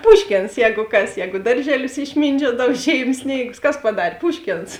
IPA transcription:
ˈpʊʃʲkʲeːns ˈjɛːɡʊ ˈkɐs ˈjɛːɡʊ ˈdɐrʲʒʲɛˌlʲʊs ɪʃʲˈmʲiːnʲd͡ʒʲuɔdɐw ˈʒʲeːɪm ˈsʲnʲeːɪɡʊs ˈkɐs pɐˈdɑːrʲeː ˈpʊʃʲkʲeːns

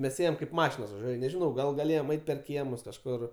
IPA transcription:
mʲɛs ˈeːjɛm kɐɪp ˈmɑːʃʲɪnoːs ʋɐˈʒʲuɔj ɐʃ nʲɛʒʲɪˈnɐʊ ɡɐlˠ ɡɐˈlʲeːjoːm ˈɐɪtʲ pʲɛr ˈkʲiɛmʊs kɐʃˈkʊr

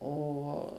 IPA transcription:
ˈoː

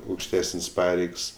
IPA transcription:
ɐʊkʃʲˈtʲæːsənʲsʲ ˈpɑːrʲɛɪks

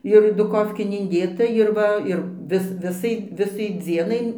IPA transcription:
ɪr dʊˈkoːfʲkʲeːn ɪnʲˈdʲeːtɐ ɪr ˈʋɐ ɪr ˈʋʲɪs ˈʋʲɪsɐɪ ˈʋʲɪsɐɪ ˈd͡zʲiɛnɐɪ

